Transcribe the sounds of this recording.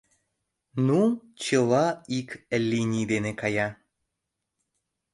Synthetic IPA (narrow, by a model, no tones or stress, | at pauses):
nu | t͡ɕelˠɑiklʲːinʲid̪enekaja